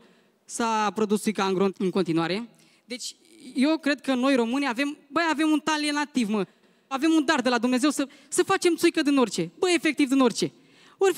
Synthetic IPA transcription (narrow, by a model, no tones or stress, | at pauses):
sapɾo̞d̪ust̪ːujkaaŋɡɾoɨŋko̞nt̪inuaɾe̞ | d̪e̞t͡ʃʲ | je̞wkɾe̞d̪̚kəno̞jɾo̞mɨnijave̞mbəjave̞munt̪alienat̪ivmə | ave̞mund̪ard̪elad̪umne̞ze̞wsə | səfat͡ʃe̞mt̪sujkəd̪ino̞rt͡ʃe̞bəe̞fe̞k̚t̪ivd̪ino̞rʲt͡ʃe̞ | or